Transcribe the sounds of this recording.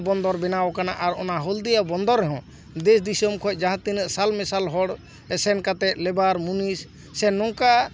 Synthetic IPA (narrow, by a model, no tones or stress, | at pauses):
bɔnd̪ɔɾbɛnawkanaʔaɾɔ̰naɦɔld̪ijabɔnd̪ɔɾːɛɦɔ̃ | d̪ɛs̬d̪isɔmkʰɔj̚ˀd͡ʒaɦãt̪inəʔsalmɛsalɦɔɽ | ɛsɛnkat̪ɛt̪̚lɛbaɾmunisː | ɛnɔŋka